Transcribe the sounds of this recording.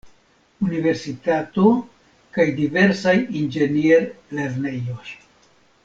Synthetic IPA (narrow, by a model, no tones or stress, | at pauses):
unive̞ɾsitato̞ | kajdive̞ɾsajind͡ʒe̞nieɾle̞ɾne̞jo̞j